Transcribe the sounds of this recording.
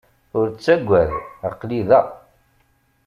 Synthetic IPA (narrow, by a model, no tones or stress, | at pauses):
ʊɾt͡sːæɡʷːæðʁəqːliðæ